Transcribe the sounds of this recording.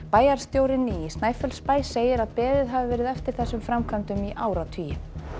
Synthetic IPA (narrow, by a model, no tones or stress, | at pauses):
paːjaɾ̥st̪jowɾɪnːɪist̪naːjfœlspaːjseːjɪɾaðpɛːðɪðɦavɪvɛːɾɪðɛft̪ɪɾ̥θɛsːʏmfɾamkʰvant̪ʏmiʔaːwɾat̪ʰiːjɪ